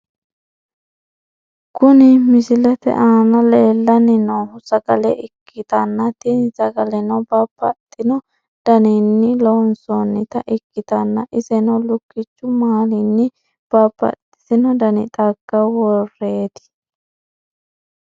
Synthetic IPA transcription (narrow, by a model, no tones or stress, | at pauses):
kʊnɪmɪsɪlɛt̪ɛ̰ʔaːnɐleːlːɐnɪnɐːhʊsɐɡɐlɛʔɪkʰːɪt̪ɐnːɐt̪inzɐɡɐlɛnɐbabɐ̰t̪ʼːɪnɔ | d̪̥ɐnɪnːɪlɔnsonːɪt̪ɐʔɪkːɪt̪ɐnːɐʔɪsɛnɐlʊkːɪt͡ʃːʊmaːlɪnːɪ | b̥apːɐ̰t̪ʼɪ̥sɪnɔd̪ɐnɪ̰t̪ʼɐɡːɐwɔreːd̪ɪ̥